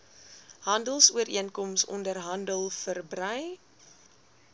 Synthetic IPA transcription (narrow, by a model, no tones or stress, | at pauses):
ɦɐndəlˠsuəɾiənkɔmsɔ̰ndərɦɐndəlˠfərbrœj